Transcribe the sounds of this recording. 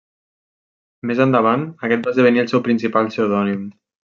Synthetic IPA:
mezand̪aβ̞anəkɛt̪̚bazðəβ̞əniəlˠsɛwpɾinsipalˠsewðɔnim

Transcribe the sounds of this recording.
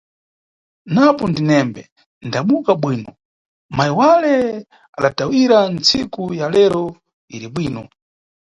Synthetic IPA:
napɔndinɛmbɛ | ndaɓukaɓwiːnɔ | majiwalɛ | aɗatawiɾant͡sikujalɛɾɔ | ḭɾiɓwiːnɔ

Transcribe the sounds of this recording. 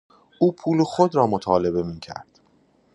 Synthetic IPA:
ʔuːpʰuːloxod̪ɾɒːmot̪ʰɒːle̞be̞miːcʰæ̰ɾd̪̥

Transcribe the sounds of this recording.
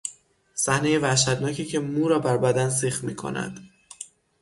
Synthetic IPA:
sæhne̞je̞væʃæd̪nɒːcʰiːcʰe̞muːɾɒːbæɾbæd̪ænseːχmiːkʰo̞̰næ̰d̪̥

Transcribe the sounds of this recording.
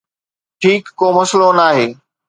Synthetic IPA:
ʈʰiːkːoːmɐslonaːɦeː

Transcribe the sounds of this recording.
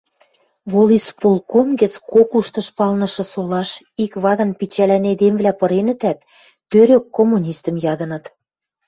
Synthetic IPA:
volispolˠkonɡə̆t͡skokuʃt̪ɤ̆ʃpɑlnɤ̆ʃɤ̆solɑʃikβɑd̪ɤ̆npit͡ɕælæned̪emvlæpɤ̆ɾenə̆t̪æt̪ː | øɾøkːomːunʲist̪ə̆mjɑd̪ɤ̆nɤ̆t̪

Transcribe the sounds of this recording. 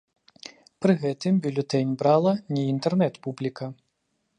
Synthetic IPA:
pɾɨɣɛt̪ɨmbʲulʲut̪ɛnʲbɾalˠɐnʲɛint̪ɛrnɛt̪publʲikɐ

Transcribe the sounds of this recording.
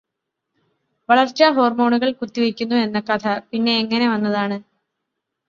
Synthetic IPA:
ʋɐɭɐrt͡ɕːɐɦo̞ːrmo̞ːɳuɣɐɭkut̪ːiʋikʲːunːue̞nːɐkːɐt̪ʰɐpinːe̞ːŋːɐne̞ʋɐnːɐðaːɳɨ

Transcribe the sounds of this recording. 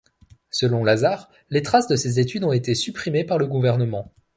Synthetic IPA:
səlɔ̃lazaʁ | let̪χasd̪əsezet̪yd̪ɔ̃et̪esypχimepaʁləɡuvɛʁnəmɑ̃

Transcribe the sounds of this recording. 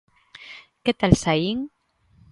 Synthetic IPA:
ket̪alsaiŋ

